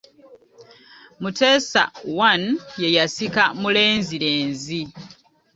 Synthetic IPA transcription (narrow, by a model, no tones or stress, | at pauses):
mute̞ːsa̰wanje̞jasikamule̞ːnziɾe̞ːnzi